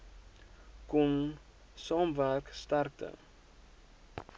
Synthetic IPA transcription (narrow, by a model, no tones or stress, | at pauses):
kum | sɑmværkst̪ark̚tə̰